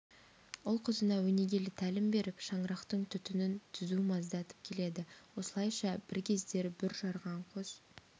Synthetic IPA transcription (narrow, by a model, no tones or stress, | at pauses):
ʊlˠqʰəzənɑwɵne̞ɡʲe̞lɪt̪ʰælɪmbe̞ɾɪpʃɑɴɾɑqt̪əɴt̪ʰʏt̪ɪnɪnt̪ʰʏzumɑzd̪ɑt̪ə̥p̚kʲʰe̞le̞d̪ɪwo̞səlˠɑjʃɑb̥ɪɾkʲʰe̞zd̪e̞ɾbɪɾʒɑɾʁɑɴqʰoz̥